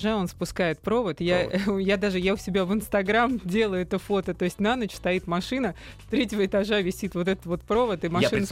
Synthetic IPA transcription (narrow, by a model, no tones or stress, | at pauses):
ʐao̞nspʊskajɪt̪̚pɾo̞vət̪jajad̪aʐɨjaʊsʲɪbʲavɨnst̪ɐɡɾamdʲe̞lˠəjʊɛt̪əfo̞t̪ət̪o̞ɪsʲtʲnanət͡ɕst̪ɐit̪mɐʂɨnə | st̪ɾʲetʲɪvəɪt̪ɐʐavʲɪsʲit̪vo̞t̪ɛt̪ət̪vo̞t̪̚pɾo̞vət̪ɨmɐʂɨn